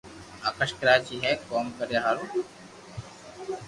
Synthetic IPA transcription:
aːkəʃkɾaːt͡ɕiɦɛkoːmkəɾjaɦaːɾu

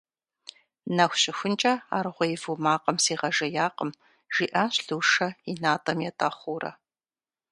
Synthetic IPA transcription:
nɐxʷɕɪxʷʊnt͡ʃʼɐa̰ːrʁʷɔjvumaːqɐmsiːʁɐʒɐjaːqəm | ʒ̥iːʔaːɕɬuːʂɐinaːtʼɐmjɛtʼɐχʷuːrɐ̰

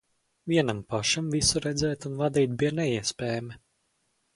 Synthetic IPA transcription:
vʲiɛnampaʃamvisuɾɛd̪zɛːt̪unvad̪iːt̪̚biɛnɛiɛspʲɛːjamɛ

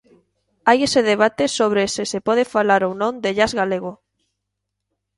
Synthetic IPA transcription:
ajeseðeβ̞at̪esoβ̞ɾesesepɔðefalaɾownõnd̪eʎazɣaleɣ̞o

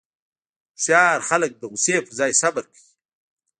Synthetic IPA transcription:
sjɑːɾxalək̚d̪əɣʊsepəzɑjsabəɾkaji

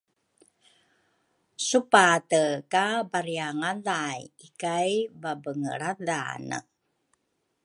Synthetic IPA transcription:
supatəkabaɾiaŋaðajikajbabəŋə̰ɭada̰nə̰

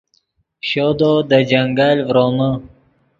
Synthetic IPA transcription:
ɕod̪od̪əd͡ʒaŋɡalvɾomə

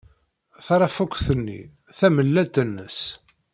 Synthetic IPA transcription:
θɑɾˤɑfukʷːθənːḭ | θæməlːæt̪ənːə̰s

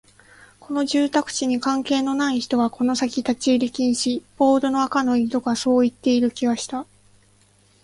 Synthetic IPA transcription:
kʰo̞no̞ʑɨːt̪akɯ̟̥t͡ɕiɲ̟ikãŋke̞ːno̞naiçi̥t̪o̞ɡako̞no̞sakʲit̪at͡ɕiːɾʲikʲĩɰ̃ɕib̥o̞ːd̪o̞no̞akano̞id̪o̞ɡaso̞ːit̪ːe̞iɾɯ̟kʲiβaɕi̥t̪a

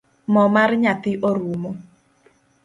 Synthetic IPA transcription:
mɔmarɲat̪ɪʔoɾumo

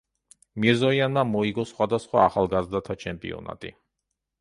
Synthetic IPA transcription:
miɾzɔianːamɔiɡɔsχwad̪asχwa̰ːχalˠɡazd̪at̪ʰat͡ʃʰɛmpʼḭɔ̰na̰t̪ʼḭ

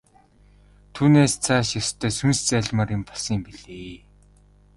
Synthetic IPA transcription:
t̪ʰuːneːst͡sʰaːʃast̪ʰːœːsunst͡sæɮʲmaɾɪ̆mpɔɮsiːmpiɮeː

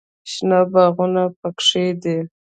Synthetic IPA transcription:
ʃnabaɣunapakʂed̪e

